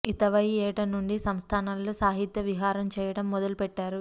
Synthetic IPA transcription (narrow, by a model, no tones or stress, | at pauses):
it̪ɐʋɐjɛːʈɐnːuɳɖisɐmst̪ʰaːnaːlːosaːɦit̪jɐʋiɦaːɾɐmt͡ʃɛːjɐɽɐmːɔd̪ɐlupɛʈːaːɾu